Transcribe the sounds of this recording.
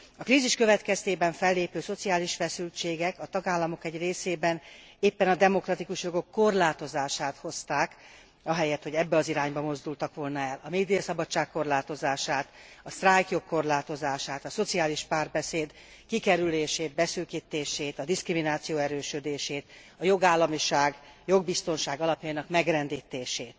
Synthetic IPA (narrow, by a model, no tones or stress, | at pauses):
ɒkɾiːziʃkø̞vɛt̪kɛst̪eːbɛɱfɛlːeːpøːso̞t̪siaːliʃfɛsylt͡ʃeːɡɛkɒt̪ɒɡaːlːɒmo̞kɛɟreːseːbɛn | eːpːɛnɒd̪ɛmo̞krɒt̪ikuʃjo̞ɡo̞kːo̞rlaːt̪o̞zaːʃaːt̪ho̞st̪aːk | ɒɦɛjɛt̪ho̞ɟɛbːɛɒziɾaːɲbɒmo̞zd̪ult̪ɒkʋo̞lnɒɛlːɒmeːd̪ijɒsɒbɒt͡ʃːaːkkːo̞rlaːt̪o̞zaːʃaːt̪ɒst̪rajkjo̞kːo̞rlaːt̪o̞zaːʃaːt̪ɒso̞t̪siaːliʃpaːrbɛseːd̪ | kikɛɾyleːʃeːd̪bɛsyːkiːt̪ːeːʃeːt̪ɒd̪iskriminaːt̪sijoːɛɾøːʃød̪eːʃeːt̪ | ɒjo̞ɡaːlːɒmiʃaːɡjo̞ɡ̚bist̪o̞nʃaːɡɒlɒpjɒinɒkmɛɡrɛnd̪iːt̪eːʃeːt̪